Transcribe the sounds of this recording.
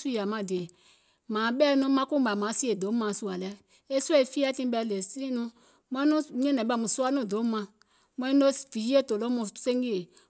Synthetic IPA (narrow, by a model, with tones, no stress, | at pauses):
su˦ja˨mã˧˨di˨e˨ | mãː˨ɓɛ˦nũ˦mã˧˦ku˦ba˨mã˨˦si˦e˨do˨˦mã˧˨su˦a˨lɛ˦ | e˦su˦ɛ˦e˨fi˦a˦tĩ˧˦bɛ˧le˨si˦nũ˧ | mã˦nũ˦ɛ̃˦nɛ̃˨ba˦˨mũ˨su˦a˦nũ˦˨do˨˦mã˧ | mɛ̃˦no˦fi˨ji˦e˦˨˦to˨lo˦mũ˧˨se˦ŋɡi˦e˨